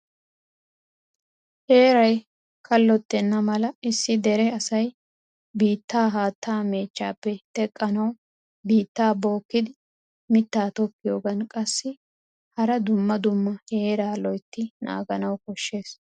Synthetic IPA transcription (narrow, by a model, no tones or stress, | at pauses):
he̞ːɾɐj | kʰɐlːɔt̪ːɛnːɐmɐlɐɪsːɪd̪ɛɾɛɐsɐj | biːt̪ːaːɦaːt̪ːaːme̞ːt͡ʃːa̰ːpːɛt̪ɛkʼːɐnɐw | biːt̪ːaːbo̞ːkːɪd̪ɪ | mɪt̪ːaːt̪ɔpːɪjoːɡɐnkʼɐsːɪ | hɐɾɐd̪ʊmːɐd̪ʊmːɐheːɾaːlɔjt̪ːɪna̰ːɡɐnɐwkɔʃːe̞ːs